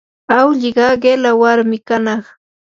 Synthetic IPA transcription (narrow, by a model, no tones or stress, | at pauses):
awʎɪɢɑɢelawaɾmɪkanɑχ